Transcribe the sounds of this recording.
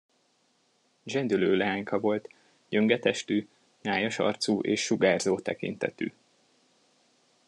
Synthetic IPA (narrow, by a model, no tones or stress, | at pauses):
d͡ʒɛnd̪yløːlɛɦaːɲkɒvo̞lt̪ | ɟøŋɡɛt̪ɛʃt̪yː | ɲaːjɒʃɒ̰rt̪suːʔeːʃːuɡaːrzoːt̪ɛkḭnt̪ɛ̰t̪y̰ː